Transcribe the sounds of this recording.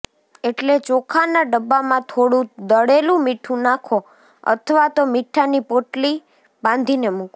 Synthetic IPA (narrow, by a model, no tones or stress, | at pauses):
eʈlet͡ʃokʰanaɖəbːamãt̪ʰoɽũd̪əɽelũmiʈʰũnakʰo | ə̰t̪ʰəʋat̪omiʈʰːanipoʈli | bãnd̪ʱinemuk